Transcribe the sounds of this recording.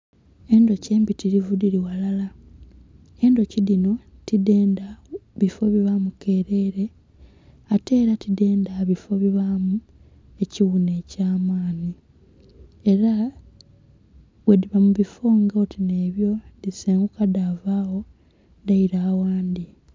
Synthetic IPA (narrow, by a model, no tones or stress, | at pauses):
e̞ndo̞ce̞ːmbitiɾivudiɾiwalala | e̞ndo̞cilino̞tide̞ːndaβifo̞βiβamuke̞ːɾe̞ɾe̞ | ate̞ːɾatide̞ːndaβifo̞βiβamu | e̞ciwune̞ːcaːmaːni | e̞ɾa | βwediβamuβifo̞ŋɡaotine̞ːβjo̞diseːŋɡukadaːvaːwo̞ | daiɾaːwaːnd̪i